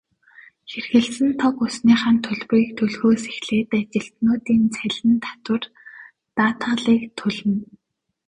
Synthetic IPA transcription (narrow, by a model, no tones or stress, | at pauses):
xerxɘ̆ɮsɘ̆nt̪ʰɔkʊsniːχaːnt̪ʰɵɮwiːk̚t̪ʰɵɮɣoːse̥xɮeːt̪at͡ɕɪ̆ɬt̪noːt̪iːnt͡sʰæɮʲɘ̆nt̪ʰḁt̪wə̆r | t̪aːt̪ʰaɮiːkt̪ʰɵɮɘ̆n